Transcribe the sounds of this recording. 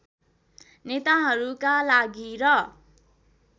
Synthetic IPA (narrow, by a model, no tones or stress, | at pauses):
net̪aɦʌɾukalaɡiɾʌ